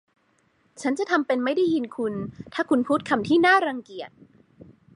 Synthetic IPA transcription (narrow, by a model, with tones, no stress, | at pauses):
t͡ɕʰa˦˥nt͡ɕa˨˩t̪ʰa˧mpe˧nma˥˩jda˥˩ji˧nkʰu˧nt̪ʰaː˥˩kʰu˧npʰuː˥˩t̪̚kʰa˧mt̪ʰiː˥˩naː˥˩ɾa˧ŋki˨˩ət̪̚